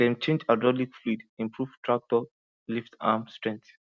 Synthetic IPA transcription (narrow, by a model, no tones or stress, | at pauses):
dɛ̃mt͡ʃʰẽnd͡ʒadɔlikflidĩmpʰɹuvtʰɹak̚tɔ | liftamstɹɛ̃ŋkt